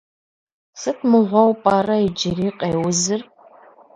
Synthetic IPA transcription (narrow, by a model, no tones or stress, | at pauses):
sɨtʰmɨʁʷɔwpʼaːrɐid͡ʒɪɾiːqʼeːwʊzɨr